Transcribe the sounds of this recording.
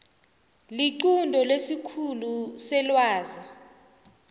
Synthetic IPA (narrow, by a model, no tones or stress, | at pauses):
liǀundʱɔlesikʰulusɛlwaːza